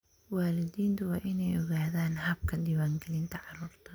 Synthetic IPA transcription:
waːlɪd̪iːnt̪ʰʊwɑːʔɪnɛjɔɣaːðaːnhɐb̚kʰɐd̪iːwaːŋɡɛlɪnt̪ʰɐʕɑɾuːrt̪ʰɐ

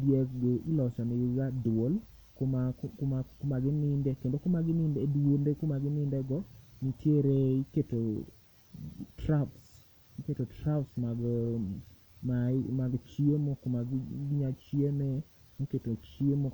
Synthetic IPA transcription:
djɛkɡeʔɪlɔt͡ʃameɡiɡadol | komakomaɡɪnɪndekendokomaɡɪnɪndedendekomaɡɪnɪndɛɡɔnitjeɾeiketo | traps | iketotɾapsma | mamaɡt͡ʃiemokomaɡɡɲat͡ʃiene | noketot͡ʃiemo

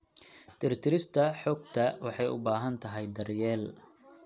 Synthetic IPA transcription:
t̪ʰɪɾt̪ʰɪɾɪst̪ʰɐħɔːɡ̚t̪ʰɐwɑħɑjʊ̰baːɦɐnt̪ʰɐɦɛjd̪ɐrjɛːl

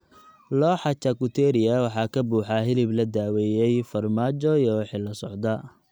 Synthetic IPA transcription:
lɔːħɑt͡ʃɐkʊt̪ʰɛɾɪɐwɑħɑːkʰɐbuːħɑɦɪlɪblɐd̪aːwɛːjɛjfɐrmaːt͡ʃɔjɔwħɪlɐsɔʕd̪ɐ

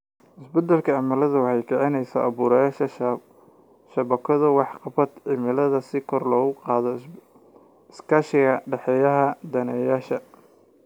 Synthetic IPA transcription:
ʔɪsbɛd̪ɐlkʰɐʕɑmɐlɐðɐwɑħɑjkʰɛʕɪnɛjsɐʔɐβuːɾɐjaːʃɐ | ʃɐβɐkʰɔðɐwɑħqɑbɐd̪ʕɪmɪlɐðɐsɪkʰɔrlɔːɣʊqɑːðɔ | ɪskʰaʃɪɣɐɖɛħɛjɐɦɐd̪ɐnɛjaːʃɐ

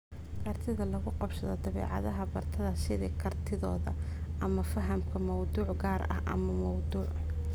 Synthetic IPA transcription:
kʰɐrt̪ʰɪðɐlɐɣʊqɑbʃɐðɔ̰d̪ɐβɛ̰ːʕɑ̰ðɐɦɐbɐrt̪ʰɐðɐsɪðɪːkʰɐrt̪ʰɪðɔ̰ːðɐ̰ʔɐmɐfɐɦɐmkʰɐmɐwd̪uːʕɡaːɾɐ̰hʔɐ̰mɐmɔwd̪uːʕ

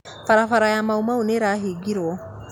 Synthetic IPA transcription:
faɾafaɾajamaumauneɾaɦiɡiɾwɔ

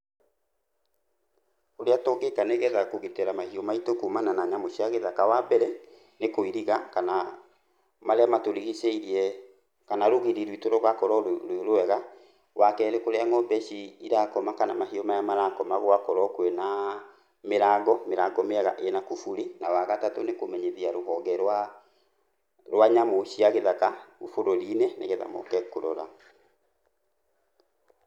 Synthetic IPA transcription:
oɾeatɔɡekaneɣɛðakoɣeteɾamahiɔmaitokumananaɲamoʃiaɣeðakawabɛɾɛ | nekoiɾiɣakana | maɾeamatoɾiɣiseiɾiɛ | kanaɾoɣeɾiɾwitoɾɔɣakɔɾɔɾoɾoɛɣa | wakɛɾekoɾeaŋɔbɛʃiiɾakɔmakanamahiɔmajamaɾakɔmaɣoakɔɾɔkwɛna | meɾaɡɔmeɾaɡɔmeɛɣa̰ʔenakufuɾenawaɣatatonekomɛɲeðiaɾoɦɔɡɛɾa | ɾwaɲamoʃiaɣeðakaufoɾɔɾinɛneɣeða̰mɔ̰kɛkoɾɔ̰ɾa̰

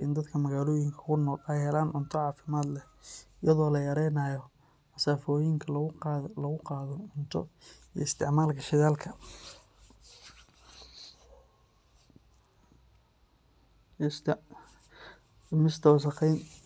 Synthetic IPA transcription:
ʔɪnd̪ɐd̪kʰɐmɐɣaːlɔːjɪŋkʰɐ̥kʰʊnɔːlɛjhɛlaːnʕʊnt̪ʰɔʕɑːfɪmaːd̪lɛ | ɪjɐðɔːlɐjɐɾɛjnaːjɔ | mɐsaːfɔːjɪŋkʰɐlɐɣʊqɑːðɔʊnt̪ʰɔ̰ij̰ɪst̪ʰɪʕmaːlkʰɐʃɪðaːlkʰɐ | s | mɪst̪ʰɔwsɐqɛjn

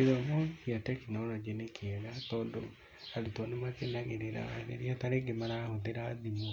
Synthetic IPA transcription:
eðɔmosiatɛkinɔlɔd͡ʒinekʰeɣatɔːndo | aɾetɔnemakenaɣeɾeɾa̰a̰ðḛɾiataɾeŋɡemaɾahoðeɾaðimo

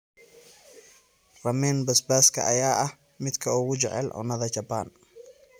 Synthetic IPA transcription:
rɐmɛːnbɐsbaːskʰɐ̰ʔɐ̰jaːʔɐh | mɪd̪kʰɐʊɣʊt͡ʃɛ̰ʕɛ̰lʕʊ̰nɐðɐt͡ʃɐban

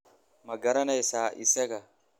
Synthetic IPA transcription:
mɐɡɐɾɐnɐjsaːʔɪ̰sɛkɐ

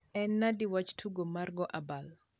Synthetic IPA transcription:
ɛnːadiwat͡ʃtʰuɡomarɡɔʔabal

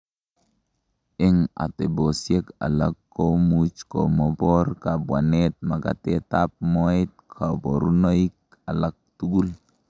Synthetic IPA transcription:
eŋa̰tebosjeka̰lakːomut͡ʃko̰mɔbɔrkabwanet̪̚maka̰t̪etap̚moit̪̚kʰaboɾunoik̚ | alak̚tuɡul

